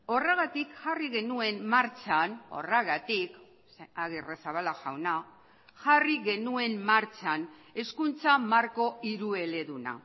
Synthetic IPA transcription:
o̞reɣat̪ikxariɣe̞nue̞mːaɾt͡ʃano̞̰reɣat̪ik | seaɣiresaβalaʝawna | xariɣe̞nue̞mmaɾt͡ʃane̞skunt͡samaɾko̞ʔiɾue̞le̞ðuna̰

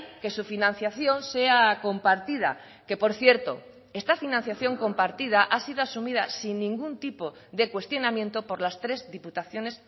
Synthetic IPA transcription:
ke̞sufinãn̟θjaθjo̞nse̞ako̞mpaɾt̪iða̰ | ke̞po̞ɾθje̞ɾt̪o̞̰ | e̞st̪afinãnθjaθjo̞ŋko̞mpaɾt̪iðaʔasið̞oasumiðasinːĩŋɡunt̪ipo̞ | ðe̞kwe̞st̪jo̞namjẽ̞nt̪o̞po̞ɾlast̪ɾe̞zðiput̪aθjo̞ne̞s

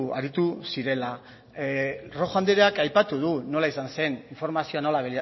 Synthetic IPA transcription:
a̰ɾit̪usiɾe̞la | ro̞xand̪eɾeakajpat̪uð̞uno̞laisanse̞niɱfo̞ɾmasio̞anolaβel

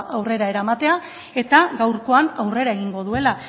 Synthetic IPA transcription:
ʔawre̞ɾae̞ɾamat̪e̞a | e̞t̪aɡawɾko̞anawre̞ɾae̞ɣiŋɡo̞ðue̞la

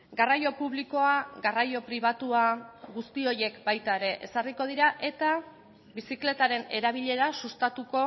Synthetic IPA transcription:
ɡarajo̞puβliko̞aɡarajo̞pɾiβ̞at̪uaɡust̪io̞je̞kbajt̪aeɾe̞ʔḛsariko̞ð̞iɾaʔe̞t̪a | bisikle̞t̪aɾe̞ne̞ɾaβ̞iʎe̞ɾasust̪at̪uko̞

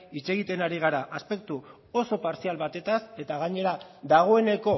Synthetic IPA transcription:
it͡ʃe̞ɣit̪e̞naɾiɣ̞aɾaʔaspe̞k̚t̪u | oso̞paɾsialβat̪e̞t̪ase̞t̪aɣ̞aɲe̞ɾaðaɣ̞o̞e̞ne̞ko̞

